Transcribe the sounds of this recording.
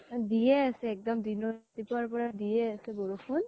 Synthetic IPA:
dijɛasɛːk̚dɔmdinɔtipaɹpɔɹadijɛasɛbɔɹupʰun

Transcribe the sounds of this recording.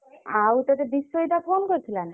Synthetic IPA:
awt̪at̪ebisːoit̪afʰonkoɾt̪ʰilan

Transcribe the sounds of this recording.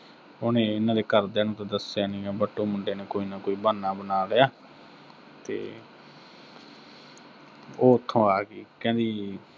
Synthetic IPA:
onẽːɪnãːd̪eːkəɾd̪ɛːnũːt̪ãːd̪əsjaːnĩːaːbəʈːõːmʊɳɖeːneːkoːiːnãːkoːiːbaːnːaːbənaːləjaː | t̪ḛː | oːət̪ʰːõːaːɡḭːkɛ̃ːd̪iː

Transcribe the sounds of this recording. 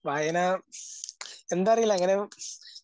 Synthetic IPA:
ʋaːjenaː | end̪aːɐrijilːɐɐŋːɐne

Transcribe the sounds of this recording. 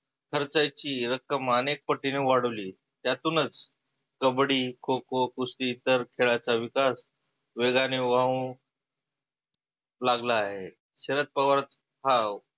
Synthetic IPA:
kʰəɾt͡sajt͡ɕiːɾəkəmanek̚pəʈːineʋaɽəʋliː | t̪jat̪uːnət͡s | kəbɽiːkʰokokust̪iːt̪əɾkʰeɭat͡saʋikas | ʋeɡaneʋaũ | laɡlaːɦe | ɕeɾət̪̚pəɡʋaɾət̪ | ɦaw

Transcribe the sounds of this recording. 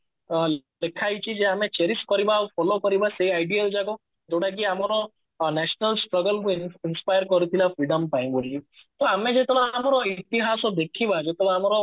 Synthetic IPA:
lekʰait͡ʃid͡ʒeɦəmẽt͡ʃeɾisʈkɔɾibafʰɔlokɔɾibaseiaɪɖijəld͡ʒaɡo | t̪ʰoɽak̬iamaɾo | nɛʃnəlsʈɾəɡəlkuɪnspaːjəɾkɔɾut̪ʰilafɾiɖəmpaĩbolit̪oamẽd͡ʒet̪loamɾoit̪iɦasɔd̪ekʰibad͡ʒet̪loɦamɾo

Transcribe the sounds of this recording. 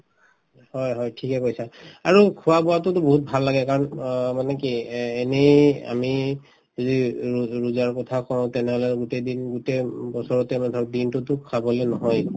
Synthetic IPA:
hɔjɦɔjtʰikɛkojsaaɹukʰuwapɔwatʊtʊboɦut̚bʱalːaɡɛkaɹɔnmanɛkiɛneja̰mi | diɹuzaɹkɔtʰakɔɹ̃tɛnɛɦɔlɛɡutedinɡutebɔsɔɹɔtɛmtʰɔɹdintʊtʊkʰːabɔlɛnɔɦɔj

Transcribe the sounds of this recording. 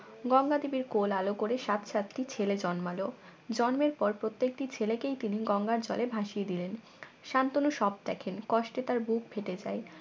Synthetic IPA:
ɡɔŋɡad̪ibiɾkolalokoɾeʃat̪ʃat̪ːit͡ɕʰeled͡ʑɔnmalod͡ʑɔnmeɾpɔɾpɾot̪ːek̚ʈit͡ɕʰelekejt̪iniɡɔŋɡaɾd͡ʑɔ̰lebʱaʃied̪ilen | ʃant̪onuʃɔb̚d̪ɛkʰenkɔʃʈet̪aɾbuk̚bʰʱeʈed͡ʑa̰e

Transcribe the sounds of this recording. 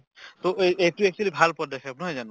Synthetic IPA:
t̪oʔeejtuɛk̚t͡ʃuwalibʱalpɔdɛkʰɛpnɔɦɔjzan

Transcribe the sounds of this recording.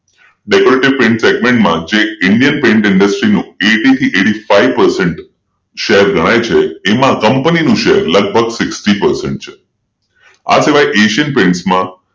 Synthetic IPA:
ɖekoɾeʈiʋpẽɳʈseɡmẽɳʈmãd͡ʒeɪɳɖijənpẽɳʈɪɳɖəsʈɾinũeʈit̪ʰiʔeɽifaiʋpəɾseɳʈ | ʃeɦəɾɡʱəɽ̃ajt͡ʃʰeːmãkəmpəninũʃeɦəɾləɡ̚bʱəɡsɪksʈipəɾsḛɳʈ̚t͡ʃʰe̥ | a̰siʋajʔeʃiənpẽɳʈsmã

